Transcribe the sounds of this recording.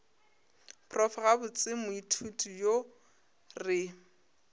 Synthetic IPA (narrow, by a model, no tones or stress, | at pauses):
pʰrɔfaɣabʊt͡sʼɪmʊitʰutʰʼujo | rɪ